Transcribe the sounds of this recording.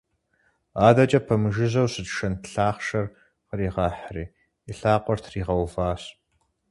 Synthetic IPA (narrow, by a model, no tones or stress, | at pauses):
aːdɐt͡ʃʼɐpʰɐmɨʒɪzɐwɕɨdʃɐntɬaːχʃɐr | qəɾiːʁɑːħriː | iɬaːqʷʼɔrtʰriːʁɐwvaːs